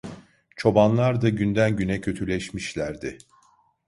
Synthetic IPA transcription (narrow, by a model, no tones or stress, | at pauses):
t͡ʃʰo̞banlˠaɾd̪aɟynd̪ænɟynɛcʰø̞t̪ʰylʲɛʃmiʃlʲæɾd̪ɪ